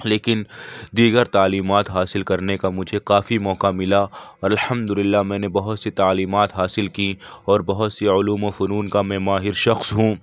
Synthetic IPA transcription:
leːkɪnd̪iːɡəɾt̪aːliːmaːt̪ɦaːsɪlkɐɾnekamʊd͡ʒʱekaːfimɔːkamɪlaɔːɾɐlħɐmd̪ʊlɪlːamɛ̃ːnebɐɦʊt̪sit̪aːliːmaːt̪ɦaːsɪlkiɔːɾbɐɦʊt̪seʊluːmofʊɾuːnkamɛ̃ːmaːɦɪɾʃɐxsɦũː

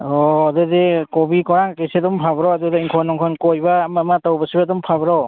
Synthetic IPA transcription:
ɔadɯdekɔbikɔɾaŋkesedɔmpʰabɾɔadɔdeiŋkʰɔnɔŋkʰɔnkɔjbaːmamatawbasibadɔmpʰabɾɔ

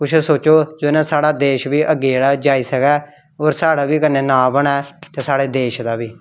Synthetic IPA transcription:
kʊʃɛsoːt͡ʃoːd͡ʒoːɪnãːsaːɽaːd̪eːʃbiːʔəɡeːɽaːd͡ʒaːiːsəkɛː | oːɾsaːɽaːbiːkəneːnaːbəɽɛːt̪eːsaːɽeːd̪eːʃd̪aːbiː

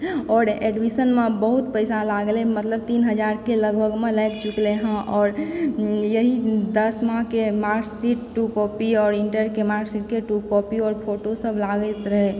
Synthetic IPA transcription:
ɔːɾeɖbisənmẽbəɦut̪̚pəɪsalaɡlemət̪ləb̚t̪inɦəd͡ʒaɾkeləɡbʱəɡmẽlɛjkt͡ʃukleɦə̃ʔɔːɾ | jəɦid̪əsmãɦkemaɾksiʈʈukɔpiɔːɾiɳʈəɾkemaɾksiʈ̚keʈukɔpiɔːɾpʰoʈosəbʱlaɡət̪ɾəɦe

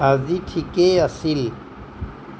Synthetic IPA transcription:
ɐziʈʰikeɐsil

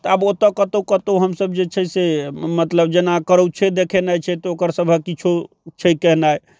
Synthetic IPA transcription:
t̪ɔabot̪əkət̪okət̪oɦəmsəbd͡ʒet͡ʃʰɛsemət̪ləb̚d͡ʒenakəɾəwt͡ʃʰed̪ekʰenajt͡ʃʰɛt̪ɔokəɾsəbʱəkit͡ʃʰo | t͡ʃʰɛkɛɦnaj

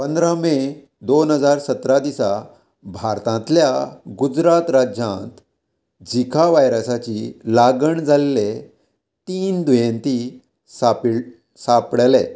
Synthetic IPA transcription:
pənd̪ɾame | d̪onɦəd͡zaɾsət̪ɾad̪isa | bʱaɾt̪ãnt̪ljaɡud͡zɾat̪ɾad͡ʑãnt̪ | d͡ʑikʰaʋajɾəsat͡ɕilaɡəɳd͡zʱalele | t̪iːnd̪ujẽnt̪i | sap | sapɽle

